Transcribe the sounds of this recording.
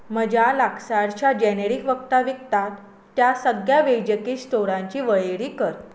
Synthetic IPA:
məd͡ʑalaksaɽt͡ɕad͡ʑɛneɾikʋəkt̪aʋik̚t̪at̪ː | jasəɡjaʋejd͡ʑəkiːst̪oɽãɲt͡ɕiːʋəjeɽiːkəɾt̪

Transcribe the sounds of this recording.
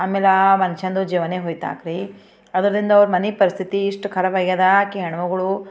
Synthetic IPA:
aːmeːlamɐnʃɐnd̪ud͡ʒiːʋɐneːɦoːjt̪a̰ːkɾi | ɐd̪ɐɾɐd̪ind̪ɐːʋɐɾumɐnipɐɾist̪ʰit̪iːʂʈkʰɐɾɐʋɐɡjɐd̪ɐkeɦɐɳɐʋɐɡɐɭu

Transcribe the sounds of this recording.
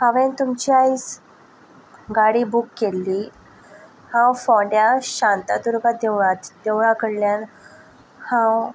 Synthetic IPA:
haʋent̪umt͡ɕiais | ɡaɽiːbukːelːiː | hãwfɔɳɖjaɕant̪at̪uɾɡad̪ead̪eʋɭakəɽljan | hãw

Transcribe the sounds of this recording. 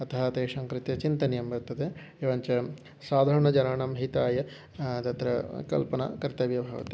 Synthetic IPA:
ɐt̪ɐɦɐt̪eːʂaːŋkɾit̪jɐt͡ʃint̪ɐnjɐmʋɐɾt̪ːɐt̪e | eʋɐɲt͡ʃɐ | saːd̪ʱaːɾɐɳɐd͡ʒɐnaːɳɐmɦit̪aːjɐ | d̪ɐt̪ɾɐkɐ̰lpɐna̰kɐɾt̪ɐʋjɐbʱɐːʋɐ̰t̪i

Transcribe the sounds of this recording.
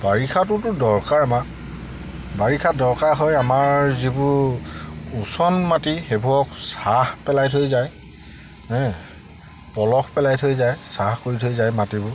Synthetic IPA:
baɹikʰat̬ʊtʊdɔɹkaɹama | baɹikʰadɔɹkaɹɦɔjamaɹzibʊɹ | usɔnmatixebʱuɔksahpɛlajtʰojzaj | ɛ̃ | pɔlɔxʰpɛlajtʰojzajsahkoɹitʰojzajmatibʊ

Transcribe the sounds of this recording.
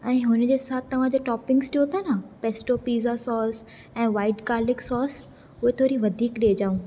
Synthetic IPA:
ɛ̃ːɦʊnd͡ʑeːsaːt̪ʰt̪ɐʋ̤ãd͡ʑoːʈɔːpɪ̃ŋɡsʈijot̪ʰanapeːsʈopiːzasɔːs | ɛ̃ːʋaːɪʈkaːɾlɪksɔːs | ʊɦet̪ʰoːɾiʋɐd̪ʱiːkɗeːd͡ʑaːũ

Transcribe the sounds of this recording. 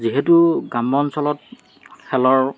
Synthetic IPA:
ziɦetuɡambɔnsɔlɔt̚ | xɛlɔɹ

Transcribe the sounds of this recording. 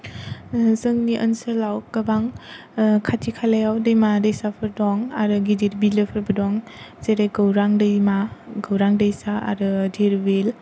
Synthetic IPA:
zɯŋniʔə̰nsəlawɡəbaŋ | kʰatʰikʰalajawdɯjmadəjsapʰɯɾdɔŋaɾɯɡidiɾbilɯpʰɯɾbɯdɔŋzeɾeɡɯwɾaŋdɯjmaɡɯwɾaŋdəjsa̰ːɾɯdiɾbel

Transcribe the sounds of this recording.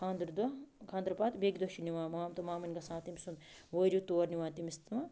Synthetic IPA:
kʰaːnd̪ɾud̪ɐkʰãːnd̪ɾɐpaːt̪beɡd̪ɐʃiniʋaːmaːmt̪umaːmɐnʲɡɐsãːt̪imʲsund̪ʋoɾit̪oːɐɾnʲiʋãːnt̪imist̪mɐ

